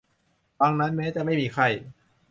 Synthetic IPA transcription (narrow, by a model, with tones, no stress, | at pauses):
baː˧ŋna˦˥nmɛː˦˥t͡ɕɛ˨ma˥˩jmiː˧kʰa˧˩j